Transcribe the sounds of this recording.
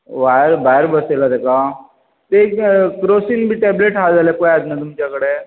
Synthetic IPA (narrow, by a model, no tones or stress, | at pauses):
ʋaɾbajɾbəselat̪eka | t̪ekkɾosinbʱiːʈɛbleʈɦald͡zaljakojad͡z̪najt̪umt͡ɕakəɽe